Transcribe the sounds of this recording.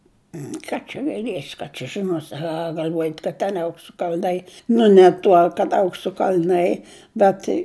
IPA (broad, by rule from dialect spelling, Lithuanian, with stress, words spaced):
ˈkɑː t͡ʃʲɛ ɡɐɪˈlʲiɛsʲɪ ˈkɑː t͡ʃʲɛ ʒʲɪˈnoːsʲɪ ɐ ɡɐlʲˈʋoːjɛtʲ kɐt tʲɛn ˈɐʊksʊ kɐlʲˈnɐɪ nʊ nʲɛ ˈtuɔ kɐt ˈɐʊksʊ kɐlʲˈnɐɪ bʲɛt